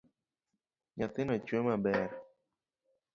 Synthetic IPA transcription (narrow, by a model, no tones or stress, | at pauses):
ɲat̪ɪnɔt͡ʃwɛmabɛɾ